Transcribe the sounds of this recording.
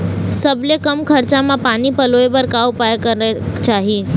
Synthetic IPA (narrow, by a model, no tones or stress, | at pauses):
səblekəmkʰəɾt͡ʃamãpanipəloeʋəɾkawpajkəɾet͡ʃaːɦi